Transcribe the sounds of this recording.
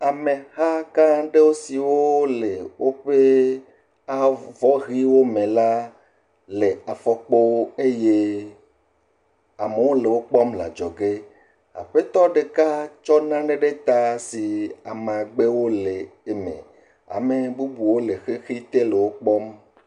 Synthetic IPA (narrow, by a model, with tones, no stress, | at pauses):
a˨mẽ˨ha˦kã˦ɖe˦wo˦si˨wo˦le˨wʔo˦ɸe˦ | a˦vɔ˦ɣi˦wo˦mẽ˨la˦ | le˨a˨fɔ˦k͡po˦e˦je˦ | a˨me˨wo˦le˨wo˦k͡pɔ˦mla̰˨d͡ʒɔ˨ɡe˦ | a̰˨ɸe˦t̪ɔ˦ɖe˨ka˦t͡ʃɔ˦nã˦ɖe˦ɖe˦t̪a˦si˨a˨me˨a˨ɡ͡be˦wo˦le˨e˨mḛ̃˨ | a̰˨me˨bu˦bu˨wo˦le˨xe˦xi˦t̪e˦le˨wo˦k͡pɔ˦m